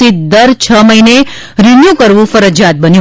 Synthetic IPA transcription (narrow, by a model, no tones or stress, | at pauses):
it̪̚d̪əɾt͡ʃʰəməine | ɾɪnjukəɾʋũfəɾəd͡ʒjat̪̚bənjũ